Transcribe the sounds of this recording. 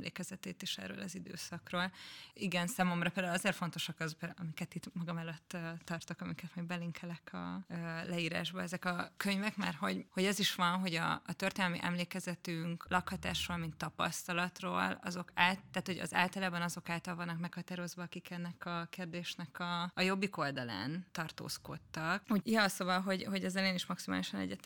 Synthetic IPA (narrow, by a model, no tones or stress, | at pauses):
lḛːkɛzɛt̪eːt̪eːʃɛ̰rːø̰ːlɒzid̪ø̰ːsɒkroːliɡɛnsaːmo̞mrɒpeld̪aulɒzeːrfo̞nt̪o̞ʃɒkɒzbɒmikɛt̪it̪mɒɡɒmɛløt̪ːt̪ːɒrt̪okɒmikɛt̪mɒjɡbɛliŋkʰɛlɛkʰɒ̰ːlɛiːɾa̰ːʒbɒɛzɛkɒkøɲvɛkmɛ̰rɦo̞ɟho̞ɟɛziʃʋɒnɦo̞ɟɒ̰ːt̪ørt̪eːnɛlmḭʔɛ̰mleːkɛzɛt̪yŋklʔɒkhɒt̪a̰ːʃroːlmint̪ːɒpɒ̰st̪ɒlɒt̪ro̰ːlɒ̰zo̞kaːlt̪ːaːt̪ho̞ɟɒ̰za̰ːlt̪ɒlaːbɒnɒzo̞kaːlt̪ɒlvɒnːɒkmɛkhɒt̪aːɾo̞zvɒɒkikɛnːɛkɒkeːrd̪eːʃnɛkɒːjo̞bːiko̞ld̪ɒla̰ːnt̪ɒrt̪o̰ːsko̞̰t̪ːɒkujɒsobɒɦo̞ɟho̞ɟɛzɛleːniʃmɒksima̰ːliʃɒnɛ̰ɟːɛt̪